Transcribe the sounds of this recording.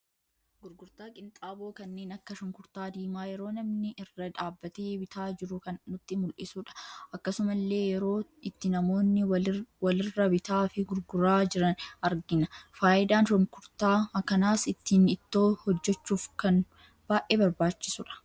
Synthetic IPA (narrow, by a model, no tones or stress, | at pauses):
ɡʊɾɡʊɾt̪aːkʼɪnt̪ʼaːbo̞ːkɐnːe̞ːnɐkːɐʃɔŋkʊɾt̪aːd̪iːmaːjɛɾo̞ːnɐmnɪʔɪrːɐᶑaːbːɐt̪eːbɪt̪ʰaːd͡ʒɪɾʊkɐnːʊt̪ːɪmʊlʔɪsuːᶑɐ̥ʔɐkːɐsʊmɐlːe̞ːjɛɾo̞ːɪt̪ːɪnɐmo̞ːnːɪwɐlɪrːɐbɪt̪aːfɪɡʊɾɡʊɾaːd͡ʒɪɾɐnɐɾɡɪnɐfaːʔɪd̪aːnʃɔŋkʊɾt̪aːkɐnaːsɪt̪ːiːnɪt̪ːo̞ːhɔd͡ʒːɛt͡ʃːuːfkɐn | b̥aːʔeːbɐɾbaːt͡ʃːɪsʊᶑɐ̥